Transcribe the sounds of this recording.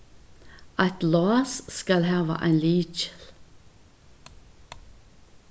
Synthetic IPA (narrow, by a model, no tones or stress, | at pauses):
ɑt̪lɑːsskɑlhɑːʋɑ̰ʔæ̰ɪnliːt͡ʃə̥l